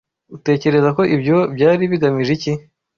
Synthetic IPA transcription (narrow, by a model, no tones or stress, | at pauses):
ute̞ːce̞ɾe̞zako̞ʔibjo̞bjaːɾiβiɡamiʒici